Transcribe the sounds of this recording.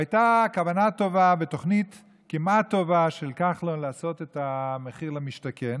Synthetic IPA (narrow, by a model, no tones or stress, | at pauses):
ajtakavanato̞vaveto̞χnit | kimat̪o̞vaʃelkaχlonlaːso̞t̪etameχiʁlemiʃtakʰen